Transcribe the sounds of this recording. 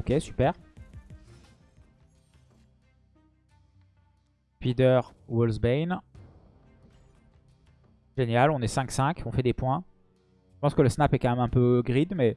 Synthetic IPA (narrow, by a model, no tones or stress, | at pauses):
okʲesy̥pɛːʁ | pid̪œʁwɔlzbejn | ʒenjalɔ̃nɛsɛ̃ksɛ̃kʰɔ̃fɛd̪epwɛ̃ | ʒə̥pɑ̃skələsnapɛkɑ̃mɛmɛ̃pøɡʁid̪mɛ